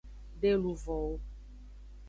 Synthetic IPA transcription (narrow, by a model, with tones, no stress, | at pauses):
ɖe˦lu˨vɔ˨wo˦